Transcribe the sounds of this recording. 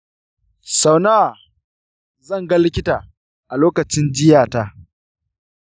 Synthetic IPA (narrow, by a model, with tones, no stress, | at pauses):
sa˨wnaː˦˨ | zɐ˦˨ŋɡɐ˦lɪ˦kʲɪ˦taː˨ | ʔa˨loː˦kɐ˨t͡ʃɪ˦nd͡ʒɪ˦jaː˨ta˦ʔ